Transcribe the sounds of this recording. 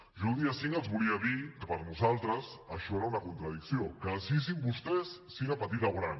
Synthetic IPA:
ʒulˠd̪iasiŋəlˠzβuliəðikəpəɾnuzalˠt̪ɾəsəʃɔeɾaunɐkunt̪ɾəð̞iksiokəsis̬imbust̪ɛsːiɣapət̪it̪aɣɾan

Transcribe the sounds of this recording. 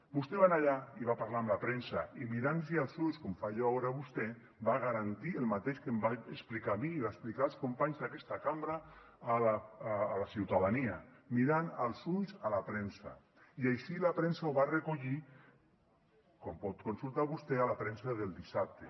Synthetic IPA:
bust̪eβanaʎaiβapaɾlaamlapɾɛnsa̰imiɾansialˠzuɲskomfaʒɔaoɾaβust̪ɛ | baɣaɾant̪ielmat̪eʃkembaesplikamiːβaesplikaːlˠskompaɲzðakɛst̪akambɾa | alaːlasiwt̪aðaniamiɾanalˠsunzalapɾɛnsa̰ | iajʃilapɾɛnsawβarekuʎi | kɔmpɔt̪konsulˠt̪aβust̪ealapɾɛnsaðelˠd̪isap̚t̪e

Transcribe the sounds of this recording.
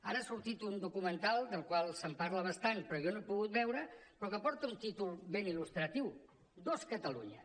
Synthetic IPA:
aɾəasuɾt̪it̪und̪ukumənt̪alˠd̪əlˠkwalˠsəmpaɾləβəst̪anpɾɔjɔnoepuɣut̪̚bɛwɾəpɾɔkəpɔɾt̪əunt̪it̪ulˠβenilust̪ɾət̪iw | d̪oskət̪əlṵɲə̰

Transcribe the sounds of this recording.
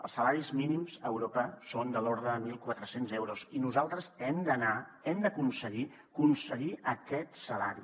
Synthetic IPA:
ə̰lˠsəlaɾizminimzəwɾopəsond̪əloɾðɾəːmilˠkwat̪ɾəsenzɛwɾuzinuzalˠt̪ɾəzɛmd̪ənaɛmd̪əkunsəɣi | kunsəɣiʔəkɛt̪səla̰ɾḭ

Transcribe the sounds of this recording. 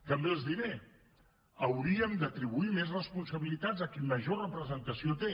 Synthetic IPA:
t̪əmbelˠzðiɾe | əwɾiəmd̪ət̪ɾiβuimezrəspunsəβilit̪ad͡zəkinməʒorəpɾəzənt̪əsiot̪e

